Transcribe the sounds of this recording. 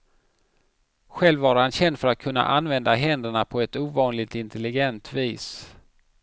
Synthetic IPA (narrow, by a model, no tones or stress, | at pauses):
ɧɛlvaːɾhanɕɛnd̪fœɾat̪̚kʰɵnːa̰ʔanvɛnd̪aɦɛnd̪əɳapʰɔɛt̪uːvɑːnlɪɡ̚t̪ɪnt̪ʰɛlɪɡɛnt̪viːs